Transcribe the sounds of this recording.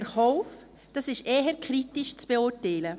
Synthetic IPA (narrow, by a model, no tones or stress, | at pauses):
ɾhɔʊf | d̥ɑsɪʃeːɦəɾkʰɾitɪʃt͡sb̥eʊːɾtɛɪlə